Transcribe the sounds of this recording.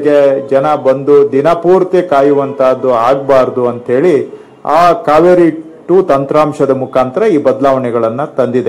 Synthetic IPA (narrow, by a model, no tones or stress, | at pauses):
ɡed͡ʒɐnɐbɐnd̪ud̪inɐpuːɾt̪ekaːjuʋɐnt̪ʰaːd̪ːuaːɡbaːɾd̪uɐnt̪ɦe̞ːɭi | aːkaːʋeɾi | ʈuːt̪ɐnt̪ɾaːmʂɐd̪ɐmukʰaːnt̪ɐɾɐiːbɐd̪laːʋɐnɛɡɐɭɐnːut̪ɐnd̪id̪e